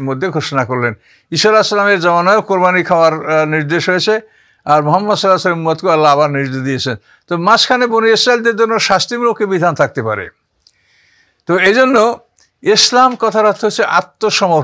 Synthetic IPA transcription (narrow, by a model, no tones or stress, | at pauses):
mod̪ʱːeɡʱoʃonakoɾlen | iʃoɾaslameɾd͡ʑɔmanɔeokkoɾbanikʰaoaɾniɾd̪eʃɦojet͡ɕʰe | aɾmoɦamːɐd̪sɔlasalmumːat̪koalːaaβaɾniɾd̪ed̪iet͡ɕʰen | t̪omaskʰaneboniesɾaild̪eɾd͡ʑonːoʃast̪imlokːebid̪ʱant̪ʰak̚t̪epaɾḛ | t̪oejd͡ʑonːo | islamkɔt̪ʰaɾɦt̪ʰːeɦot͡ɕʰeʔa̰t̪ːoʃɔmo